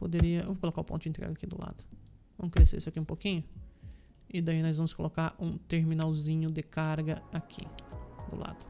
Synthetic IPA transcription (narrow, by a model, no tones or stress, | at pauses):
pod̪eɾiɐewvokolokaɾʊpõt̪ʊd͡ʒẽnt̪ɾɛ̰ɡɐakid̪ʊla̰d̪ʊ | vɐ̰̃mʊskɾeseɾisʊakiũpokĩɲʊ | ɪd̪ainɔjzvɐ̃mʊskolokaɾʔũt̪eɾmĩnawzĩɲʊd̪ɪkaɾɡɐakʰḭd̪ʊ̰la̰d̪ʊ̥